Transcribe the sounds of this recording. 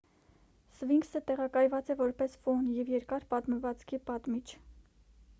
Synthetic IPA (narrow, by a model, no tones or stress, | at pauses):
sviŋɡsət̪ɛʁɑkɑjvɑt͡sɛvɔɾpɛsfɔnjɛvjɛɾkɑɾpɑt̪məvɑt͡skʰipɑt̪mit͡ʃʰ